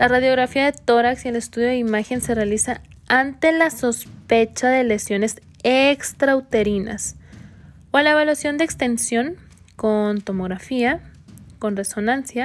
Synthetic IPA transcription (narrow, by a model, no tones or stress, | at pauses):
laraðjo̞ɣɾafiaðe̞t̪o̞ɾaksie̞le̞st̪uðjo̞ðeimaxe̞nse̞realisaant̪e̞laso̞spe̞t͡ʃaðe̞lesjo̞ne̞s | ekst̪ɾawt̪e̞ɾina̰s | walaeβalwasjo̞nd̪ekst̪e̞nsjo̞ŋ | ko̞nt̪o̞mo̞ɣɾafia | ko̞nre̞so̞nãnsja